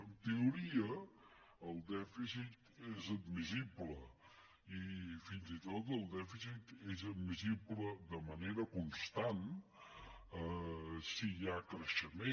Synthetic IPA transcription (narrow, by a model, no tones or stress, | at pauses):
ənt̪euɾiə | əlˠd̪ɛfisit̪ezəd̪̚miziblə | ifinzit̪ot̪əlˠd̪ɛfisit̪ezəd̪mizibləd̪əməneɾəkunst̪an | əsijakɾəʃəme